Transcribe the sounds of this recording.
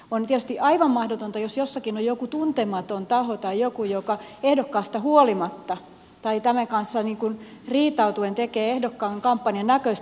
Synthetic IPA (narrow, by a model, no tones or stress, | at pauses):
ont̪iet̪y̥st̪iʔɑiʋɑmmɑhdot̪ont̪ɑjosjosːɑkinojjokut̪unt̪emɑt̪ont̪ɑhot̪ɑijokujokɑehdokːɑːst̪ɑhuolimɑt̪ːɑ | t̪ɑit̪æmæŋkɑnsːɑniːŋkun | riːt̪ɑut̪uent̪ekeːehdokːɑːŋkɑmpːɑnjɑnnækøs